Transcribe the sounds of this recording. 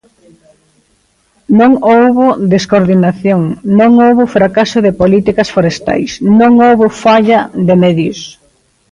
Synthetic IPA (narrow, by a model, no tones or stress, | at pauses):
nõŋowβʊd̪eskoɾðinaθjoŋnõŋowβʊfɾakasʊðɪpolit̪ikɐsfoɾest̪a̰jsnõŋowβofaʎɐd̪emɛðjos